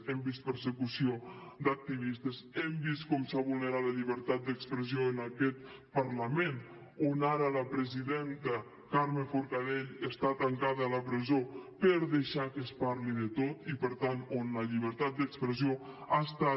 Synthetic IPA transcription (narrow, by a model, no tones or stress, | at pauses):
ɛmbist̪̚pəɾsəkusiod̪ək̚t̪iβist̪əzɛmbist̪kɔmsaβulˠnəɾat̪ləʎiβəɾt̪at̪̚d̪əkspɾəzioənəkɛt̪̚ | pəɾləmen | onaɾələpɾəziðent̪ə | kaɾməfuɾkaðeʎəst̪at̪əŋkaðələpɾəzopəɾðəʃakəspaɾliðət̪ot̪ipəɾt̪anonləʎiβ̞əɾt̪at̪̚d̪əkspɾəzioast̪a